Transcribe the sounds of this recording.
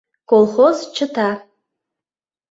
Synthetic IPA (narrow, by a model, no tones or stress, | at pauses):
kolˠχozt͡ʃʰɨtʰa